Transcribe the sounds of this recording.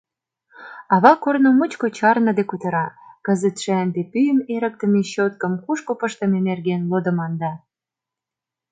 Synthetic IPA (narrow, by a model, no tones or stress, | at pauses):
ɑβɑkornomət͡ɕkot͡ɕɑrnɤ̆d̪ekut̪ə̆ɾɑkə̆zət̪ʃænd̪epyjəneɾə̆k̚t̪ə̆meɕot̪̚kə̆mkuʃkopəʃt̪ə̆menerɣenlod̪ə̆mɑnd̪ɑ